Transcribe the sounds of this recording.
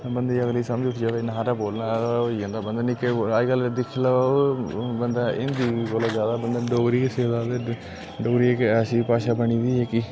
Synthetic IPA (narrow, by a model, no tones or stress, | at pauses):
bənd̪iːəɡliːsəməd͡ʒʊʈʰːd͡ʒaːʋenaːɾaːboːlnaoːiːɦə̃ːnd̪aːbənd̪aːnikeaːkəld̪ɪkʰlə | bənd̪aːɪ̰̃nd̪iːkoːlaːd͡ʒjaːd̪aːbənd̪aːɖoɡɾiːseːd̪aːd̪e | ɖoːɡɾiːekɛːʃipaːʃaːbəɳiːd̪iːɦeːkiː